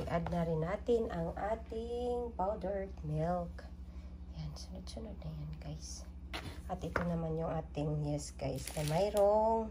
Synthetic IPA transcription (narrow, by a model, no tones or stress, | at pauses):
ɡʔad̪̚nɐɾɪnːaːt̪ɪnʔɐŋʔaːt̪ɪŋpawd̪ɛɹt̪mɪlk | jansʊnod̪̚sʊnod̪̚nɐjanɡajs | ʔɐt̪ʔɪt̪onɐmanjʊŋʔaːt̪ɪŋjɛsɡ̥a̰jsnɐmajɾoŋ